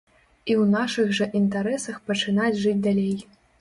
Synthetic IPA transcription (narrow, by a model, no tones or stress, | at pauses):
iwnaʂɨɣʐɐʔint̪aɾɛsɐxpɐt͡ʂɨnat͡sʲʐɨt͡sʲd̪alʲej